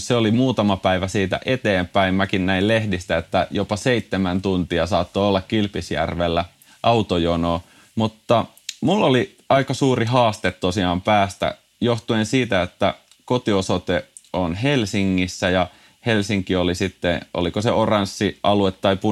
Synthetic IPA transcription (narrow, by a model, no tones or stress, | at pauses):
seolimuːt̪ɑmɑpæiʋæsiːt̪æ̰ʔet̪eːmpæimmækinnæillehdist̪æet̪ːæjopɑseit̪ːemænt̪unt̪iɑsɑːt̪ːoolːɑkkilpisjæ̰rʋelːæ | ʔɑut̪ojonoː | mut̪ːɑ | mulːoli | ɑikɑsuːriɦɑːst̪et̪t̪osiɑːmpæːst̪æ̰ | joht̪uensiːt̪æet̪ːæ̰ | kot̪iosot̪e | onɦelsiŋːisːæjɑ | helsiŋkiolisit̪ːḛo̰likoseorɑnsːiɑluet̪ːɑipu